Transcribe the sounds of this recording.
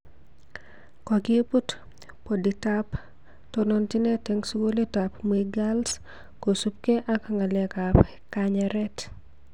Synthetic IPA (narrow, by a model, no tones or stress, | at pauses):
kɔɡɪeput | poditap | tonontɪnɛtɛŋsuɡoletapmiɡals | kosup̚keʔakaŋalɛkap | kaɲɛɾɛt